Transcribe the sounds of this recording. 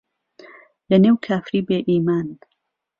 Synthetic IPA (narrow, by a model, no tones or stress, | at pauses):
lɐneːwkʰaːfɾiːbeːʔiːmaːn